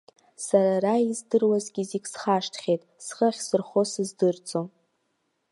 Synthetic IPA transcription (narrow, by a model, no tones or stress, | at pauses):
saɾaraizdɨrwazɡʲizikʲʼsχaʂtʰχʲejtʼsχəχʲsɨrχosɨzdɨrt͡sʼo